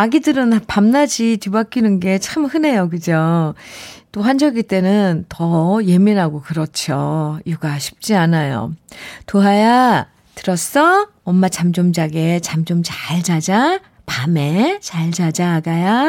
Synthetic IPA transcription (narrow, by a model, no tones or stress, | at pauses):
aɡidɯɾɯnpamnad͡ʑit͡ɕubak͈inɯnɡe̞t͡ɕʰaɯmhɯne̞jokɯd͡ʑo | t͈oɸwand͡ʑʌɡit͈e̞nɯntʌje̞miɾɦaɡokɯɾʌt͡ɕʰojuɡaɕʰi̥p̚t͡ɕ͈ianajo̰toɦaja | tɯɾʌs͈ʌ | ʌmːat͡ɕamd͡ʑomd͡ʑaɡe̞t͡ɕamd͡ʑomt͡ɕaɭd͡ʑad͡ʑa | pamet͡ɕaɭd͡ʑad͡ʑaɡaja